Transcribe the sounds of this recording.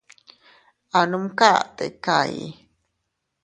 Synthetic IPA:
anumkat̪ḛka̰ḭ

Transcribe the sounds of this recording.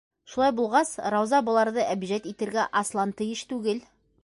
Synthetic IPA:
ʃulˠɑjbulˠʁɑsɾɑwzɑbɤ̆lˠɑɾðɤʔæbʒæt̪it̪ɘ̆ɾɡæʔɑslˠɑnt̪ɤ̆jɘʃt̪ʉɡɘl

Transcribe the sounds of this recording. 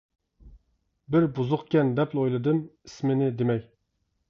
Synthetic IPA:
bɪɾbuzʊqkʲɛnd̪ɛplˠojlˠɨd̪ɨmismɪnɪd̪emɛj

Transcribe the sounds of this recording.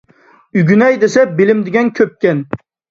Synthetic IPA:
yɡʲynɛjd̪esɛbɪlɪmd̪ɪɡʲɛnkʲʰøp̚kʲɛn

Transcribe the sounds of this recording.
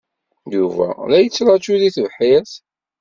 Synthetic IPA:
juvæ̰læjət͡sːɾˤɑt͡ʃːuðiθəvħiθ

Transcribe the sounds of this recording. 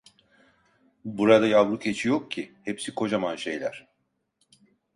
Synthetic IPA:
buɾad̪ajavlˠucʰe̞t͡ʃʰijok̚cʰihepsikʰo̞d͡ʒamanʃe̞jlʲæɾ̥

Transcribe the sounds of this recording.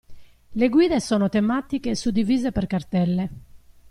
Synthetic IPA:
leɡwiːðesɔːnɔt̪ɛmat̪ikesud̪ːiviːzepɛrkart̪ɛlːɛ

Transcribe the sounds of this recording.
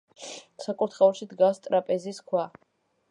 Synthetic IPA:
sakʼut̪ʰχɛɔɾʃid̪ɡast̪ʼɾapʼɛziskʰwa

